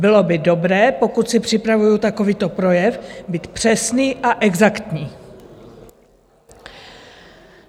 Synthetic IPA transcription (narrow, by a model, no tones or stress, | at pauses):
bɪlo̞bɪdo̞bɾɛːpo̞kut̪sɪpr̝̥ɪpɾavujut̪ako̞viːt̪o̞pɾo̞jɛfbiːt̪pr̝̥ɛsniːʔaʔɛɡzakt̪ɲiː